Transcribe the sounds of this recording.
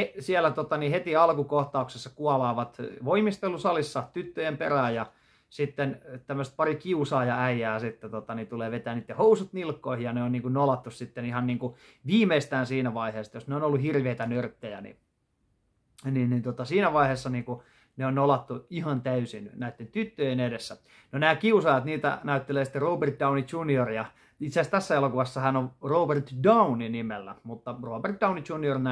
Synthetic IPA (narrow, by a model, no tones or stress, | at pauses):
esiælæt̪ot̪ɑnihet̪iɑlkukoht̪ɑuksesːɑkuɑlɑːʋɑt̪ʋoimist̪elusɑlisːɑt̪yt̪ːøjemperæːjɑ | sit̪ːent̪æmːøst̪̚pɑrikiusɑːjɑæiæːsit̪ːet̪ot̪ɑnit̪uleːʋet̪æːniːt̪ːehousut̪nilkːoihijɑneonniːŋkunnolɑt̪ːussit̪ːenihɑnniːŋku | ʋiːmeist̪æːnsiːnæʋɑiheːst̪josneonolːuhirʋeit̪ænørt̪ːøjænḭ | ninnint̪uot̪ɑsiːnæʋɑiheːsːɑniːŋku | neonnolɑt̪ːuihɑnt̪æysinnæit̪ːent̪yt̪ːøjenedesːæ | nonæːkiusɑjɑt̪niːt̪æ̰næyt̪ːeleːsi̥t̪ːeroːbert̪̚dɑunit͡ʃuniorjɑ | it̪sæst̪æsːæelokuʋɑsːɑhænoroːbert̪dɑuninimelːæmut̪ːɑroːbert̪̚d̥ɑunit͡ʃuniornæ